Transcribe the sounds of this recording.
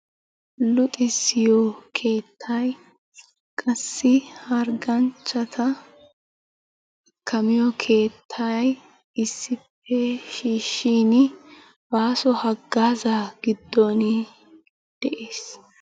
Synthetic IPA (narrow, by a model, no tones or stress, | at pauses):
lʊt̪ʼɪsɪjɔkʰe̞ːt̪ʰːɐj | kʼɐsːɪhɐɾɡɐnt͡ʃːɐt̪ʰɐ | kʰːɐmɪjɔkʰe̞ːt̪ʰːɐj | ɪsːɪpːɛʃiːʃːiːnɪ | baːsɔhɐɡːaːzaɡ̥ɪd̪ːɔnɪ | d̪̥ɛʔeːs